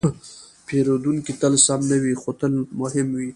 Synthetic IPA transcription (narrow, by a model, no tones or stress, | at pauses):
pʰeɾod̪uŋkit̪əlsamnawixot̪əlmʊhɪmwi